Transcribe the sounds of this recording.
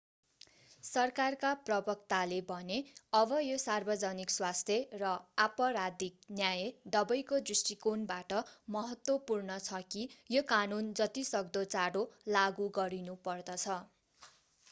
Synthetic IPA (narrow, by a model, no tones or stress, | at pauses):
sʌrkarkaprʌbʌk̚t̪alebʱʌneʌbʌjosarbʌd͡zʌnikswast̪ʰjerʌapʌɾad̪ik̚njajed̪ʌbʌjkod̪risʈikonbaʈʌmʌɦʌt̪wʌpurnʌt͡sʰʌkijokanund͡zʌt̪isʌk̚d̪ot͡saɽolaɡuɡʌɾinupʌrd̪ʌt͡sʰʌ